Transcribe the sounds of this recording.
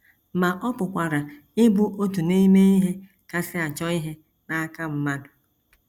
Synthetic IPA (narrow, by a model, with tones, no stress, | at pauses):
ma˨ʔɔ˦pʊ˨kʷa˨ɾa˨ | ɪ˦bu˦ʔo˦tu˨ni˦me˦i˦ɦe˦ | ka˨sɪ˦a˨t͡ʃɔ˦i˦ɦe˦ | na˦ka˦m̩˦ma˦dʊ̥˨